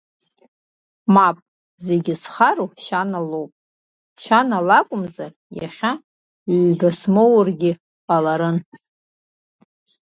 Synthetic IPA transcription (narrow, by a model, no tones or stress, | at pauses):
mapʼ | zeɡʲɪsχaɾuʃanalowpʼ | ʃanalakʷʼʊmzar | ja̰χʲa | iɥbasmowrɡʲɪ | alaɾɨn